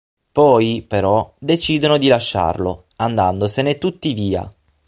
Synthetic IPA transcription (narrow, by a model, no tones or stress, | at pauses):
pɔjpeɾɔd̪et͡ʃiːd̪onod̪ilaʃːa̰rlo | and̪and̪osenet̪ut̪ːiviːa̰